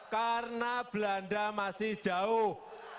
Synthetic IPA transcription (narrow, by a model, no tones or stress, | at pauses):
karnab̥land̪amasɪhd̥ʒ̥a̤ʊh